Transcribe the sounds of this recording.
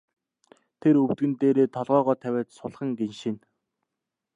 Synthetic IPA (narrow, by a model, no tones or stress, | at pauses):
t̪ʰeɾɵwt̪ɡɘ̆nt̪eːɾeːt̪ʰɔɮʁœːʁɔːt̪ʰæwʲæːt̪sʊɮχə̆ŋɡenʃĭn